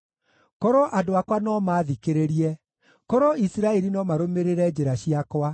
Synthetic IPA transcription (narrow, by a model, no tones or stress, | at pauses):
kɔɾoʔadoakwanɔmaːðikeɾeɾiɛ | kɔɾoisiɾaɛɾinɔmaɾomeɾeɾɛd͡ʑeɾaɕiakwa